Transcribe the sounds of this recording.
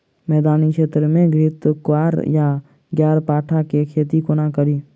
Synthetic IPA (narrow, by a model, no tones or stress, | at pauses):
mɛːd̪aːnikʃeːt̪ɾəmẽɡɾɪt̪kwaːɾja | ɡjaːɾpaːʈʰakekʰeːt̪ikonakəɾiː